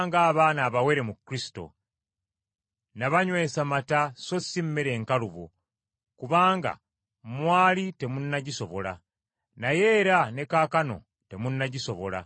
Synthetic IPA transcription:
ŋɡaːβaːnaːβawe̞ɾe̞mukːɾisi̥to̞̰ | naβaɲwe̞ːsamatasosːimːeɾe̞ːŋkaluβo̰ | kuβaːŋɡa̰ | mwaːlite̞munːaɟiso̞βo̞la̰ | naje̞ːɾane̞kaːkano̞̰ | te̞munːaɟiso̞βo̞̰la̰

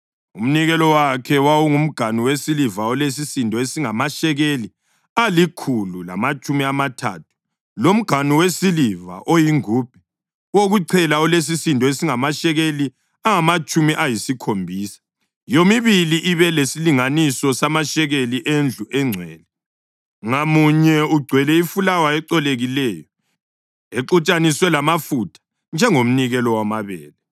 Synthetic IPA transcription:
um̩niɣɛlɔwakʰɛwawuŋum̩ɡ̥ʱaniwesilivaɔles̬isindʱɔesiŋamaʃɛɣeli | alikʰulula̰mat͡ʃʼumiamatʰa̰ːtʰu̥ | lom̩ɡ̥ʱaniwesiliva̰ʔojiŋuːb̥̚ʱɛ̥ | woɣuǀʰɛlaɔles̬isindʱɔesiŋamaʃɛɣeli | aŋamat͡ʃʼumiʔajisikʰombʱiːsḁ | jomiβiliʔiβɛlesiliŋanisɔsamaʃɛɣeliʔend͡ɮʱuʔɛŋ͡ǀʱwɛ̰ːlɛ | ŋamuɲɛuɡ͡ǀʱwɛlɛifulawaɛǀɔleɣilɛːjɔ | eǃut͡ʃʼaniswɛlamafutʰḁ | nd͡ʒʱɛŋom̩niɣɛlɔwamaβɛ̰ːlɛ

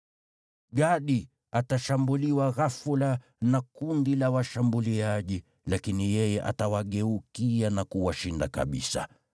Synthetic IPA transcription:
ɡaɗi | ataʃambuliwaɣafula | nakundilawaʃambuliaʄi | lakinijɛjɛʔa̰tawaɠɛukijanakuwaʃindaka̰ɓḭsa̰

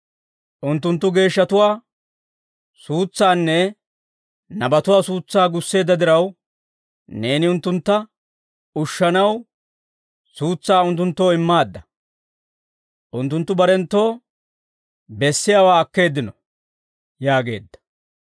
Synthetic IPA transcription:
ʔʊnt̪ːʊnt̪ːʊɡe̞ːʃːɐt̪ʊwaː | suːt͡sːaːnːɛ | nɐbɐt̪ʊwaːsuːt͡sːaːɡʊsːe̞ːd̪ːɐd̪ɪɾɐw | ne̞ːnɪʊnt̪ːʊnt̪ːɐ | ʊʃːɐnɐw | suːt͡sːaːʊnt̪ːʊnt̪ːo̞ːɪmːaːd̪ːɐ | ʔʊnt̪ːʊnt̪ːʊbɐɾɛnt̪ːo̞ː | bɛsːɪjaːwaːɐkːe̞ːd̪ːɪnɔ | jaːɡe̞̰ːd̪ːɐ̥

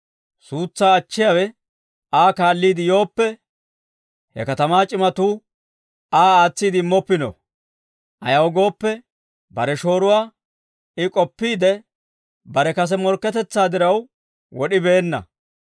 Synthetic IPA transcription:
suːt͡sːaːt͡ʃːɪjawɛ | aːkaːlːiːd̪ɪjo̞ːpːɛ | hɛ̰kɐt̪ɐmaːt͡ʃʼɪmɐt̪uː | aːaːt͡sːiːd̪ɪmːɔpːɪnɔ̰ | ʔɐ̰jɐwɡo̞ːpːɛ | bɐɾɛʃo̞ːɾʊwaː | ɪkʼɔpːiːd̪ɛ | bɐɾɛkɐs̬ɛmɔɾkːɛt̪ɛt͡sːaːd̪ɪɾɐw | wɔɗɪbe̞ːnːɐ̰

